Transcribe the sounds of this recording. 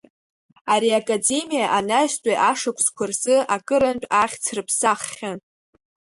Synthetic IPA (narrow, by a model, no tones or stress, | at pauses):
aɾiakʼade̞mijaʔanaztʷʼaʔaʂakʷʰskʷʰarzɨʔakʼɨɾant͡pʷʼaχʲt͡sʰrɨpʰsaχːʲan